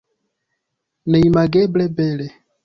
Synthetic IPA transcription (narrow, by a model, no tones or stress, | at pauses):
nɛimaɡɛblɛbɛlɛ